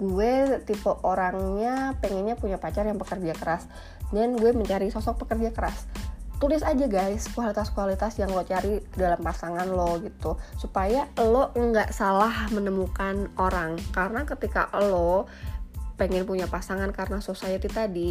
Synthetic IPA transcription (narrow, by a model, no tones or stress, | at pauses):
ɡuɛt̪ipəʔoɾaŋɲapɛŋɛnɲapuɲapat͡ʃarjaŋpəkərd͡ʒakəɾas | nɛnɡuɛməɲt͡ʃaɾisɔsɔk̚pəkərd͡ʒakəɾast̪ulɪsad͡ʒaɡajskualit̪askualit̪asjaŋlot͡ʃaɾidalampasaŋanloɡit̪usupajaloŋɡaʔsalahmənəmukanoɾaŋkaɾənakət̪ika̰ʔlo | pɛŋɛnpuɲapasaŋankaɾənasosajat̪it̪adi